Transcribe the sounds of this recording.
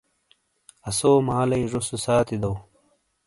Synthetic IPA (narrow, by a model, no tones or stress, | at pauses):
ɐsoːmaːlɐjʐosusaːt̪id̪ɐw